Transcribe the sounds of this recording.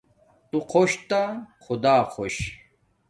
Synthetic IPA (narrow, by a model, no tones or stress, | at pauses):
t̪uqʰoɕt̪axʊd̪aːxoɕ